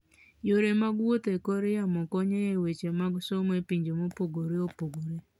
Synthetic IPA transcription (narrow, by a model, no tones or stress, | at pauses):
joɾemaɡwot̪ekoɾejamɔkɔɲejewet͡ʃemaɡsomepiɲd͡ʒomopoɡoɾeopoɡoɾe